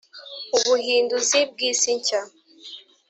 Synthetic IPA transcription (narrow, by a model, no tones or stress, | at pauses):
uβuhiːnduzib̚ɡiːsiɲca